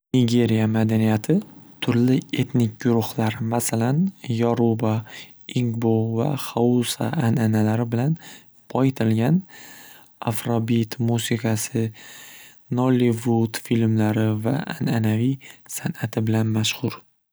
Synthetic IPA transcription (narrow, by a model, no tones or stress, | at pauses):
nɪɡʲe̞ɾijamad̪anijat̪ʰɪt̪ʰʊɾlɪe̞t̪nɪk̚ʲɡʊɾʊhlaɾmasalanjɒɾuba | iŋɡbova̰χausa̰ʔananalaɾɪbɪlan | pʰɒjɪt̪ʰɪlɡʲan | a̰fɾobit̪musɪkʰasɪ | nɒlivut̪filmlaɾɪva̰a̰nanavijsanat̪ʰɪbɪlanmaʃhʊɾ